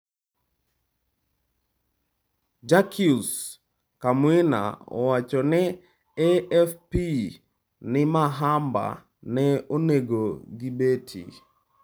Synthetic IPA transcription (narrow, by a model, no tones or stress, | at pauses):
d͡ʒakʰius | kamwena̰ɔ̰wat͡ʃɔnɛ | ɛɛfpi | nɪmaɦamba̰ | nɛoneɡoɡibetʰḭ